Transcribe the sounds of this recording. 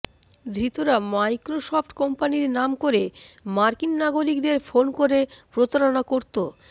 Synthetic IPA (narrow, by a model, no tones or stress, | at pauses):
d̪ɾit̪oɾamajkɾoʃɔpʰʈkɔmpaniɾnamkoɾemaɾkinːaɡoɾikd̪eɾfonkoɾepɾot̪aɾonakoɾt̪o